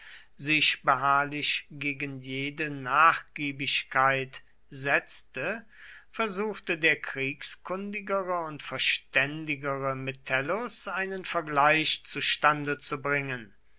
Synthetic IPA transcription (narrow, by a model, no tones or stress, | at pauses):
zɪʃb̥əɦaːɐlɪʃɡ̥eːɡənjeːdənaːχɡ̥iːbɪɕkʰaɪt | zɛt͡stə | fɛɐzuːxtədeːɐkʁ̥iːkskʊndɪɡəʁəʊntfɛɐʃtɛndɪɡəʁəmetʰɛlosʔaɪnənfɛɐɡlaɪʃt͡suʃtandət͡subʁɪŋən